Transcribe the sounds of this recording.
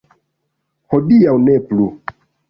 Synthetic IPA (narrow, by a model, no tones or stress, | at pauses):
hodiawneplu